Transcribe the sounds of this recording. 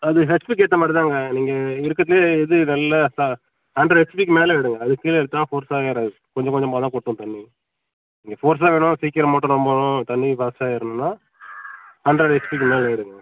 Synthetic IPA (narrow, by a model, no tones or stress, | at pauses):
ɐðɯɦɛspiːk̬eːʈːɐmaːʈɐðaːŋɡɐniːŋɡɐɪɾɯkːɐðɪleːɛðɯnɐlːɐsa | haːɳɖɾɐɾɛspiːkmeːlɐɪɽɯŋɡɐɐðɯkːiːlɛɽɯt̪ːaːfoːɾsaːeːɾɐðɯ | kɔɲd͡ʒɐ̃kɔɲd͡ʒɔ̃mpaːt̪ãːkɔʈːɯ̃t̪ɐnːi | niːŋɡɐfoːɾs̬aːʋeːɳʊ̃siːkːɪɾɐmaːʈːʊ̃ɾɔmbɐ̃t̪ɐnːibɐːsaːɪɾɯnːɯnːaː | haːnɖɾɐɽɛspiːk̬ːɯmeːlɐɪɽɯŋɡɐɐ